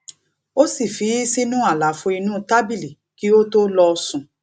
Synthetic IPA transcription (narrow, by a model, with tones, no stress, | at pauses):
o˦si˦˨fi˨˦si˦nũ˦a˦˨la˨fo˧i˧nũ˦ta˦bi˦˨li˨ | ki˦o˦to˦lɔ˧sũ˨